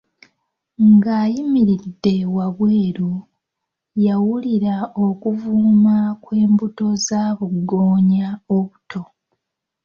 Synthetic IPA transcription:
ŋɡaːjimiɾidːe̞waβweːɾu | jawuliɾaokuvuːmakwe̞ːmbuto̞zaːβuɡo̞ːɲaoβutʰo̞

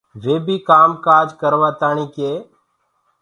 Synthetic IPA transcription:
ʋeːbʱiːkaːmkaːd͡ʒkəɾʋaːt̪aːɳ̃iːkeː

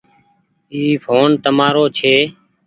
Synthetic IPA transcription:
iːfʰoːnt̪əmaːɾoːt͡ʃʰeː

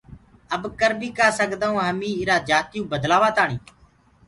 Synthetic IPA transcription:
əbkəɾbiːkaːsəkd̪aːũːɦəmĩːɪɾaːd͡ʒaːt̪jũːbəd̪laːʋaːt̪aːɳĩː

